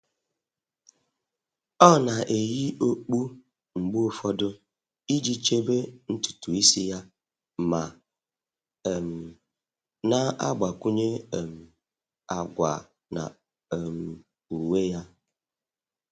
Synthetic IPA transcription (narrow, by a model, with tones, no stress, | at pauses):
ɔ˦˨na˨ʔe˨ji˦o˦k͡pu˦ | ŋ͡m̩˨ɡ͡bu˦o˦fɔ˦dʊ˦ | i˦d͡ʒi˦t͡ʃe˦be˦n̩˦tu̥˨tu˨i˦si˦ja˦ | ma˨ | m̩˨ | na˦a̰˦ɡ͡ba˨ku˦ɲe˦˨m̩˨ | a˨ɡʷa̰˨ | na̰˨ | m̩˨ | u˨we˦ja˦